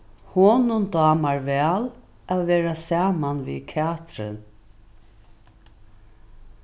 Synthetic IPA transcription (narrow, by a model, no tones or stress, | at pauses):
hoːnʊnd̪ɑːmaɹvɛːl | ʔaʋɛːɾasaːmanvḭːkʰaːt̪ɾɪ̰n